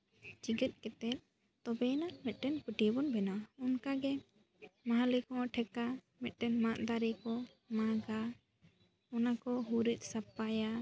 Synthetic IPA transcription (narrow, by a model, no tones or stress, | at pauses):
d͡ʒiɡət̪̚ˀkɛt̪ɛt̪̚ | t̪ɔbɛnamɛt̪̚ˀʈɛnpəʈibɔnbɛnawɔnkaɡɛ | maɦalɛkɔ̃ʈʰɛka | mɛt̪̚ˀʈɛnmãʔd̪aɾɛkɔ | maɡa | ɔnakɔɦuɾit̪̚ˀsap̚ːaja